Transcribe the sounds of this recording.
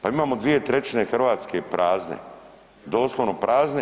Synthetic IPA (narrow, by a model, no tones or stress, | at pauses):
paimaːmod̪ʋije̞t̪ɾe̞t͡ɕine̞xr̩ʋaːt̪ske̞pɾʔaːznḛ | d̪o̞ːslˠoʋnopɾaːzne